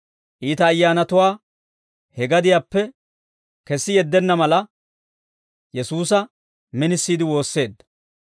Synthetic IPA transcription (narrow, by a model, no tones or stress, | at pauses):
ʔiːt̪ɐːjːaːnɐt̪ʊwaː | hɛɡɐd̪ɪjaːpːɛ | kɛsːɪjɛd̪ːɛnːɐmɐlɐ | jɛsuːsɐ | mɪnɪsːiːd̪ɪwo̞ːsːe̞ːd̪ːɐ̥